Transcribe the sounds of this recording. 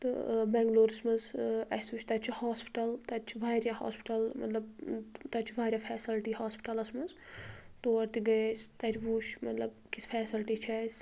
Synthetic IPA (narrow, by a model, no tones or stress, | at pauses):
t̪ɨ̰bɛ̃ːŋɡloːɾismɐzɐsʋuʃʰʲt̪ɐt͡ʃʰihaːspi̥ʈɐlt̪ɐt͡ʃʰiʋʱaːɾjaha̰ːspi̥ʈɐlmɐ̰t̪lɐbt̪ɐt͡ʃʰibʱaːɾʲaːfʰɛːsilʈihaːspi̥ʈɐlɐsmɐzt̪oːɐɾt̪iɡɐest̪ɐt͡ʃʰʋuːʃmɐt̪lɐbkisfʰɛːsilʈit͡ʃʰɐs